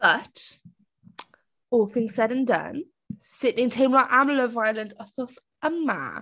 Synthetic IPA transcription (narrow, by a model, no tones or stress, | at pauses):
b̥ʌt | ɔːlˠθɪ̃ŋz̥sɛɾə̃ndʌ̰̃n | sɪʔnɪ̃ŋtʰẽɪ̃mlaɪkʔamləvaɪələ̃ndəθɔs | əmma̰